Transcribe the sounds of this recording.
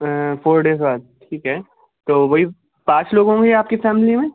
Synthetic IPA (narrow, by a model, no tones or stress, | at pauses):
foːɾɖeːs̬baːd̪̚ʈʰiːkɦɛː | t̪oːʋɐɦi | pãːt͡ʃloːɡõŋɡeaːp̚kifɛːmlimẽ